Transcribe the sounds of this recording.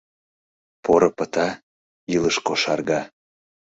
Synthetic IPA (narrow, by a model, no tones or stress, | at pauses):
pʰoɾəpə̆t̪ɑ | iləʃkoʃɑrɣɑ